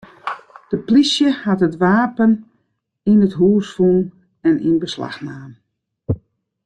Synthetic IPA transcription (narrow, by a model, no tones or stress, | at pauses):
d̥əplisjəhatətʋaːpən | inətɦuːsfun | ɛnḭnbəsla̰xnaːm